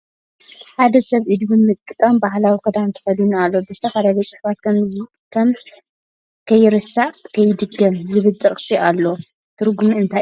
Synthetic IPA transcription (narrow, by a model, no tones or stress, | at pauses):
ħad̪ɐsɐβʔid̪βɨmɨt̪ʼːɨkʼːɐmbaħlawikɨd̪ant̪ʰɨ̥fɐljunalːo̞bɨzɨ̥t̪ʰɐfad̪aɡɐt͡sʼɨħfat̪̚kʰɐmzi | kʰɐm | kʰɐjːɪɾɨsaʕkʰɐjːɪd̪ɨɡːɐmzɨβɨlt̪ʼɐχʼsiʔalːo | t̪ʰɨɾɡumiɨnt̪ʰa